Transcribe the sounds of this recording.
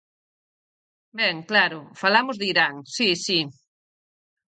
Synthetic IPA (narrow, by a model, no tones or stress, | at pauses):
bɛŋklaɾʊfalamʊzðiɾaŋsisi